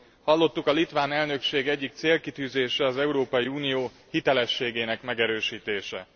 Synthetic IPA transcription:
hɒlːo̞t̪ːukɒlit̪ʋaːnɛlnø̞kʃeːɡɛɟːik̚t̪seːlkit̪yːzeːʃɛɒzɛuɾoːpɒjiuːnijoː | hit̪ɛlɛʃːeːɡeːnɛkmɛɡɛɾøːʃiːt̪eːʃɛ̰

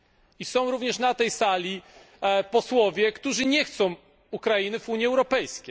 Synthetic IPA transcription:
isɔ̃w̃ɾuvɲɛʂnat̪ɛjsalʲi | pɔswɔvʲjɛkt̪uʐɘɲɛxt̪sɔ̃w̃ | ukɾainɘvuɲiɛwɾɔpɛjskʲej

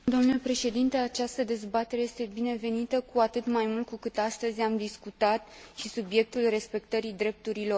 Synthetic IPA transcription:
d̪o̞mnule̞pɾe̞ʃe̞d̪int̪e̞at͡ʃast̪əd̪e̞zbat̪e̞ɾe̞jest̪e̞bine̞ve̞nit̪əkuat̪ɨt̪majmult̪̚kukɨt̪ast̪əzʲamd̪iskut̪at̪̚ʃisubje̞k̚t̪ulre̞spe̞k̚t̪əɾid̪ɾe̞p̚t̪uɾilo̞r

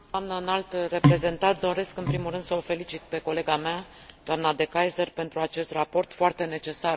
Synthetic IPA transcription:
dd̪amnənalt̪re̞pɾe̞ze̞nt̪at̪̚d̪o̞ɾe̞skɨnpɾimulɾɨnd̪səofe̞lit͡ʃit̪̚pe̞ko̞le̞ɡamea | d̪oamnad̪e̞kajzərpe̞nt̪ɾuat͡ʃe̞st̪rapo̞rt̪foart̪e̞ne̞t͡ʃe̞sar

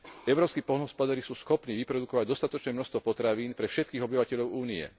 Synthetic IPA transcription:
ɛʊɾɔːpskiːpɔlɦɔspɔd̪aɾisuːsxɔpniːʋipɾɔd̪ukɔʋaɟd̪ɔst̪at̪ɔt͡ʃnɛːmnɔst̪ʋɔpɔt̪ɾaʋiːnpɾɛfʃɛt̪kiːɣɔbiʋacɛʎɔʊuːniɛ̰

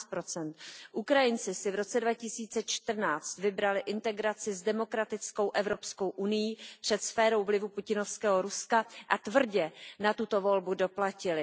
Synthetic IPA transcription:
t̪̚pɾo̞t͡sɛnt̪ʔukɾajɪnt͡sɪsɪvɾo̞t͡sɛdvacɪsiːt͡sɛt͡ʃt̪r̩naːt͡st̪vɪbɾalɪʔɪnt̪ɛɡɾat͡sɪzdɛmo̞kɾat̪ɪt͡sko̞wʔɛvɾo̞psko̞wʔunɪjipr̝̥ɛt̪sfɛːɾo̞wvlɪvupucɪno̞fskɛːɦo̞ɾuskaʔat̪vr̩ɟɛnat̪ut̪o̞vo̞lbudo̞placɪlɪ

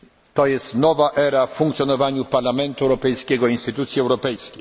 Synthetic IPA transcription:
t̪ɔjɛst̪nɔvaʔɛɾaffuŋkt̪sʲjɔnɔvaɲupaɾlamɛnt̪uɛwɾɔpɛjskʲɛɡɔinst̪ɘt̪ut̪sʲjiɛwɾɔpɛjskʲej

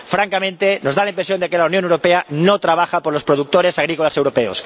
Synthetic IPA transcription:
fɾaŋkamẽnt̪eno̞zðalaimpɾe̞sjo̞nd̪ekelaunjonewɾopeanot̪ɾaβ̞axapoɾlo̞spɾoð̞uk̚t̪oɾe̞saɣ̞ɾikolase̞wɾopeo̰s

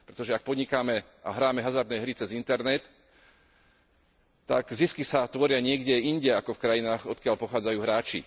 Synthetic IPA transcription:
pɾɛt̪ɔʒɛak̚pɔdɲikaːmɛ | a̰ɦɾaːmɛɦazaɾd̪nɛːɦɾit͡sɛzint̪ɛɾnɛt̪ | a̰ɡziskisat̪ʋɔɾɪaɲɪɛɡɟɛinɟɛakɔfkɾajinaːɣɔt̪kɪaʎpɔxaːd͡zajuːɦɾaːt͡ʃḭ

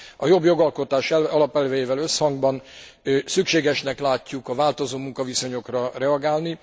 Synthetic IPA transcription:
ɒjo̞bjo̞ɡɒlko̞t̪aːʃɛɒlɒpɛlvɛjeːvɛlø̞shɒŋɡbɒn | sykʃeːɡɛʃnɛklaːcːukɒvaːlt̪o̞zoːmuŋkɒviso̞ɲo̞krɒrɛɒɡaːlni

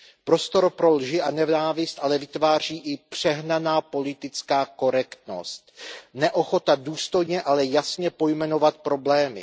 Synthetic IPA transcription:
pɾo̞st̪o̞ɾpɾolʒɪʔanɛvnaːvɪst̪ʔalɛvɪt̪vaːr̝iːʔɪpr̝̥ɛɦnanaːpo̞lɪt̪ɪt͡skaːko̞ɾɛkt̪no̞̰st̪̚nɛʔo̞xo̞t̪aduːst̪o̞jɲɛʔalɛjasɲɛpo̞jmɛno̞vat̪̚pɾo̞blɛːmɪ̰

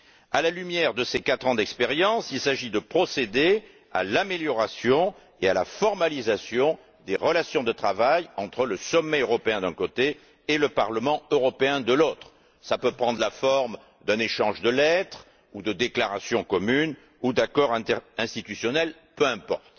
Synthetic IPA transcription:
alalymjɛʁd̪əsekat̪χɑ̃d̪ɛkspeʁjɑ̃silsaʒid̪əpχɔsed̪e | a̰lameljɔʁasjɔ̃ | ealafɔʁmalizasjɔ̃ | d̪eʁəlasjɔ̃d̪ət̪χavajɑ̃t̪χələsɔmːɛøʁɔpeɛ̃d̪ɛ̃kot̪e | eləpaʁləmɑ̃øʁɔpeɛ̃d̪əlot̪χ | sapøpχɑ̃d̪ʁlafɔʁm | d̪ɛ̃neʃɑ̃ʒd̪əlɛt̪χ | ud̪əd̪eklaʁasjɔ̃kɔmyn | ud̪akɔʁɛ̃t̪ɛʁɛ̃st̪it̪ysjɔnɛl | pøɛ̃pɔ̰ʁt̪

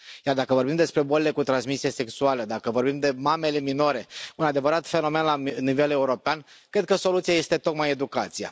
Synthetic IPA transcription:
jard̪akəvo̞rbimd̪e̞spɾe̞bolele̞kut̪ɾansmisijase̞ksualəd̪akəvo̞rbimd̪e̞mame̞le̞mino̞ɾe̞unad̪e̞vəɾat̪fe̞no̞me̞nlanive̞le̞uɾo̞peankɾe̞d̪̚kəso̞lut̪siaje̞st̪e̞t̪o̞kmaje̞d̪ukat̪sija̰

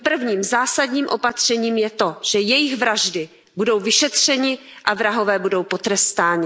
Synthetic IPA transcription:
pr̩vɲiːmzaːsadɲiːmʔo̞pat̪r̝̥ɛɲiːmjɛt̪o̞ʒ̥ɛjɛjɪɣvɾaʒdɪ | budo̞wvɪʃɛt̪r̝̥ɛɲɪʔavɾaɦo̞vɛːbudo̞wpo̞t̪ɾɛst̪aːɲɪ

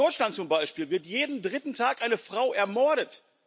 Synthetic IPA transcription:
ɔʏʃlant̚t͡sʊmbaɪʃpiːlvɪɐtjeːdn̩dʁɪtn̩tʰaːkʔaɪnəfʁ̥aʊʔɛɐmɔɐɾət

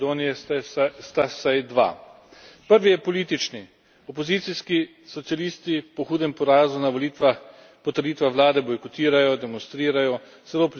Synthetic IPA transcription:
d̪oːnijɛst̪asajd̪ʋa̰ | pəɾʋijɛpɔliːt̪it͡ʃni | ɔpɔzit̪siski | sɔt̪sijalist̪ipɔxuːd̪ɛmpɔɾaːzunaʋɔlit̪ʋax | pɔt̪əɾd̪iːt̪ʋaxʋlaːd̪ɛbɔjkɔt̪iːɾajɔd̪ɛmɔnst̪ɾiːɾajɔ | z̥ɛloːp

